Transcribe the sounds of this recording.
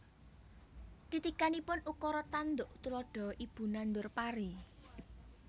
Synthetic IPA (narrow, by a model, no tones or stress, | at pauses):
t̪it̪ikanipʊnukɔɾɔt̪and̪ʊʔt̪ulɔɖ̥ɔ̤ib̥ṳnand̪ʊrpaɾi